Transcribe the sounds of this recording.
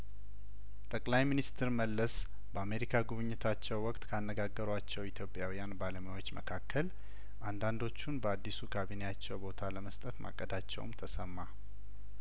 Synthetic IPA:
t̪ʼəkʼlajminist̪ʰɨɾməlːəs | bəame̞ɾikʰaɡuβɨɲːɪt̪ʰat͡ʃːɛwːɔkʼt̪ʼkʰanːəɡaɡːəɾat͡ʃːɛwit̪ʰjo̞pʼjawijanbaləmjawo̞t͡ʃːmə̰kʰakʰːəl | ʔand̪and̪o̞t͡ʃːunbəad̪ːisukʰaβineat͡ʃːɛwbo̞t̪ʰaləməst̪ʼət̪mʔa̰kʼːəd̪at͡ʃːɛ̰w̰mt̪ʰəsəmːa

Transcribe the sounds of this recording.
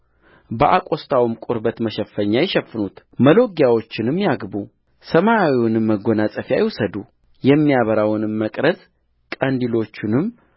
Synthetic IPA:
bəʔakʼo̞st̪ʰawɨmkʼʊɾbət̪məʃəfːəɲːajɛʃɛfːɨnut̪ | məlo̞ɡjawo̞t͡ʃːɪnɨmːjaɡbu | səmawiwʊnɨmːəɡo̞nasʼəfja̰jɛwusəd̪u | jɛmːijaβəɾawnɨmːəkʼɾəzʼ | kʼənd̪ilo̞t͡ʃːɪnɨm

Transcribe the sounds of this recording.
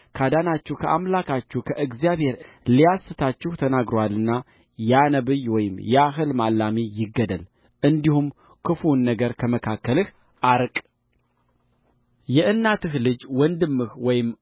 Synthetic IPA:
kʰad̪anat͡ʃːuhkʰəʔamlakʰat͡ʃːukʰəʔɨɡzijaβhe̞ɾ | lijasɨt̪ʰat͡ʃːɪht̪ʰənaɡɾoalːɨnːa | janəβɨjwɔjɪmjɛaɦɨlmalːamijɪɡːəd̪əl | ʔɨnd̪ihum | kʰɨfunːəɡəɾkʰəməkʰakːəlɨh | ʔaɾkʼ | jɛʔɨnːat̪ʰɨhlɨd͡ʒwɔnd̪ɨmːɨhwɔjɪm

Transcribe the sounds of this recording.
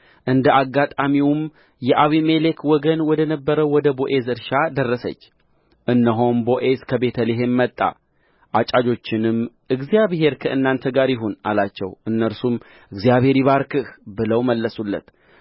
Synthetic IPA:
ʔɨnd̪əʔaɡːat̪ʼamiwm | jɛʔaβimelekwɔɡənwɔd̪ənəbːəɾəwwɔd̪əboʔe̞zɨɾʃad̪ərːəsə̰t͡ʃː | ʔɨnːəɦo̞mbo̞ʔe̞zkʰəbe̞t̪ʰəliɦe̞mːət̪ʼːa̰ | ʔat͡ʃʼad͡ʒo̞t͡ʃːɪnɨm | ʔɨɡzijaβɦe̞ɾkʰəʔɨnːant̪ʰəɡaɾjɪɦunʔa̰lat͡ʃːɛ̰wʔɨnːəɾsum | ʔɨɡzijaβhe̞ɾiβaɾkɨhbɨləwməlːəsulːə̰t̪

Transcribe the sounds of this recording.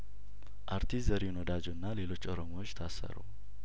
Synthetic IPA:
ʔaɾt̪ʰiszəɾjɪnod̪ad͡ʒuɨnːale̞lo̞t͡ʃːoɾomowot͡ʃːt̪ʰasːə̰ɾṵw

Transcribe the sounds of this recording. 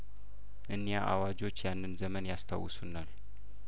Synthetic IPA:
ʔɨnːjaʔawad͡ʒo̞t͡ʃːjanːɨnzəmənjast̪ʰa̰wːɨsunːal

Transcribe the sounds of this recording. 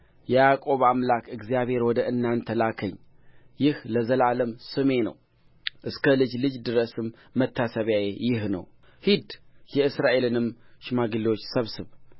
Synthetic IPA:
jɛakʼo̞βamlakɨɡzijaβhe̞ɾwɔd̪əʔɨnːant̪ʰəlakʰəɲː | jɪhləzəlaləmsɨme̞nə̰w | ʔɨskʰəlɨd͡ʒlɨd͡ʒd̪ɨɾəsɨmː | ət̪ʰːasəβjajejɪhnə̰w | hid̪jɛɨsɾaʔe̞lɨnɨmʃɪmaɡɨlot͡ʃːsəβsɨβ

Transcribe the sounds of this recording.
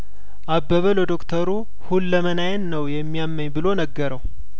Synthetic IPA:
ʔabːəβəlod̪o̞kt̪ʰəɾu | hulːəmənajənnəwjɛmːijamːəɲbɨlo̞nəɡːəɾəw

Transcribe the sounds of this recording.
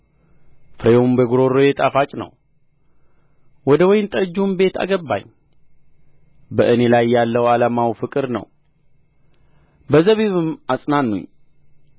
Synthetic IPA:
fɨɾejombəɡuɾo̞ɾojet̪ʼafat͡ʃʼnə̰w | wɔd̪əwɔjnt̪ʼəd͡ʒumbe̞t̪ʰa̰ɡəbːa̰ɲː | bəʔɨne̞lajːalːəwalamawfɨkʼɨɾnə̰w | bəzəβiβɨmasʼnanːṵɲ

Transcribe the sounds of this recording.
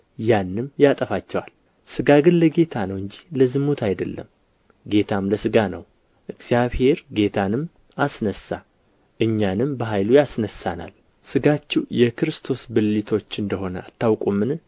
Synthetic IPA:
janːɨmjat̪ʼəfat͡ʃːɛwal | sɨɡaɡɨnləɡe̞t̪ʰanəwɨɲd͡ʒihləzɨmːut̪ʰajd̪əlːə̰m | ɡe̞t̪ʰamləsɨɡanə̰w | ʔɨɡz̥ijaβhe̞ɾɡe̞t̪ʰanɨm | asnəsːa | ʔɨɲːanɨmbəɦajlujasnəsːana̰l | sɨɡat͡ʃːiwjɛkʰɨɾɨst̪ʰo̞sbɨlːit̪ʰo̞t͡ʃːɨnd̪əɦo̞nəat̪ʰːawkʼumːɨn

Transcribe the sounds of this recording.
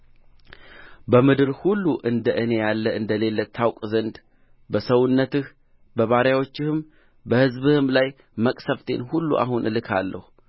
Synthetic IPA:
bəmɨd̪ɨɾhulːuʔɨnd̪əʔɨne̞jalːəɨnd̪əle̞lːət̪ʰːawkʼzənd̪ | bəsəwʊnːət̪ɨh | bəβaɾjawo̞t͡ʃːɪhɨm | bəhɨzbɨhɨmlaj | məkʼsəft̪ʰe̞̰nhulːṵʔa̰ɦunʔɨlɨkʰalːə̰hu

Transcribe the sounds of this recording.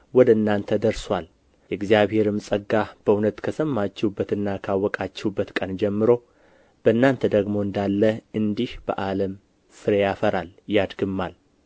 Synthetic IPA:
wɔd̪əɨnːant̪ʰəd̪əɾswʷal | jɛɡzijaβhe̞ɾɨmsʼəɡːab̥əunət̪kʰəsəmːat͡ʃːɛubːət̪ɨnːakʰawːɔkʼat͡ʃːɛhubːət̪kʼənd͡ʒɛmːɨɾo̞ | b̥əɨnːant̪ʰəd̪əɡmo̞ɨnd̪alːəɨnd̪ihb̥ə̰ʔaləm | sɨɾe̞jafəɾaljad̪ɡɨmːal

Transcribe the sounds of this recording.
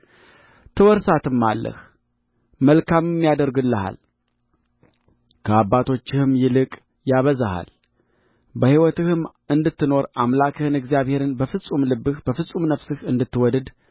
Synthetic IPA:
t̪ʰɨwɔɾsat̪ʰɨmːalːə̰h | məlkʰammːjad̪əɾɡɨlːəha̰l | kʰəabːat̪ʰo̞t͡ʃːɪhɨmjɪlɨkʼ | jaβəzaha̰l | bəhiwɔt̪ɨhɨm | ɨnd̪ɨt̪ːɨno̞ɾamlakʰɨhɨnɨɡzijaβhe̞ɾɨnbəfɨsʼumlɨbːɨhb̥əfɨsʼumnəfsɨhɨnd̪ɨt̪ːɨwɔd̪ɨd̪

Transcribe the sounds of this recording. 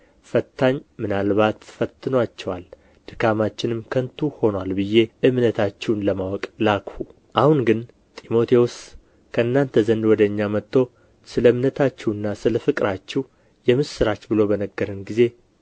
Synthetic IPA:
fət̪ʰːaɲmɨnalβat̪fət̪ʰːɨnwat͡ʃːɛwal | d̪̥ɨkʰamat͡ʃːɪnɨmkʰənt̪ʰuho̞nwalbɨjːe̞ʔɨmnət̪ʰat͡ʃːɛwnləmawɔkʼlakfu | ʔahunɡɨn | t̪ʼimo̞t̪ʰewos | kʰəʔɨnːant̪ʰəzənd̪wɔd̪əɨɲːamət̪ːo̞ | sɨləɨmnət̪ʰat͡ʃːɛwɨnːasɨləfɨkʼɾat͡ʃːɛw | jɛmɨsɨɾat͡ʃːbɨlo̞bənəɡːəɾɨnɡize̞

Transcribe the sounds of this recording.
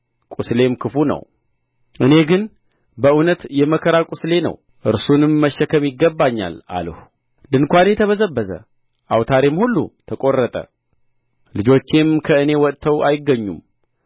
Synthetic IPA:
kʼusle̞mkʰɨfunə̰w | ʔɨne̞ɡɨn | bəʔunət̪jɛməkʰəɾakʼusle̞nə̰w | ʔɨɾsunɨmːəʃːəkʰəmjɪɡːəbːaɲːa̰la̰ləhu | d̪ɨnkʷanjɛt̪ʰəβəzəbːəzə̰ | ʔawt̪ʰaɾemhulːṵt̪ʰəkʼo̞rːət̪ʼə̰ | lɨd͡ʒo̞t͡ʃːe̞mkʰəɨne̞wɔt̪ʼt̪ʰːəwʔajɪɡːəɲːṵm

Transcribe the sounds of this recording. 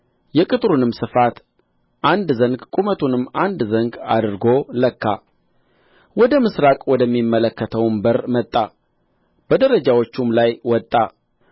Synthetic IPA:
jɛkʼɨt̪ʼɾunɨmsɨfat̪ | ʔand̪zəŋɡkʼumət̪ʰunɨmːand̪zəŋɡa̰d̪ɾɡoləkʰːa | wɔd̪əmɨsɾakʼwɔd̪əmːimːələkːət̪ʰəwmbəɾmət̪ʼːa | b̥əd̪əɾəd͡ʒawot͡ʃːumlajwɔt̪ʼːa

